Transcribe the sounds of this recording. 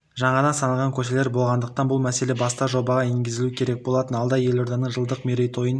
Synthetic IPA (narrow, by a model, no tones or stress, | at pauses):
ʒɑɴɑd̪ɑnsɑnəlˠʁɑŋkʲʰɵʃe̞le̞ɾbo̞lˠʁɑnd̪əq̚t̪ɑnbʊlˠmæse̞le̞bɑst̪ɑʒo̞bɑʁɑeŋɡʲɪzɪlukʲʰe̞ɾek̚bo̞lˠɑt̪ənɑlˠd̪ɑje̞lo̞ɾd̪ɑnəɴʒəlˠd̪əqmeɾejt̪ʰo̞jən